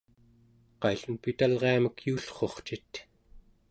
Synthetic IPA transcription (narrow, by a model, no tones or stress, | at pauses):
qɑjɬunpit̪alʁeaməkjuːɬχo̞χt͡ʃit̪